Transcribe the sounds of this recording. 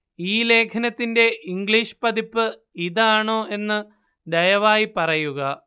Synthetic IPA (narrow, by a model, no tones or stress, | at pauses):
iːle̞ːkʰɐnɐt̪ːinde̞ʔiŋɡɭiːʂɨ̥pɐd̪ipːɨ | iðaːɳo̞ːʔe̞nːɨ | d̪ɐjɐʋaːjipɐrɐjuɣɐ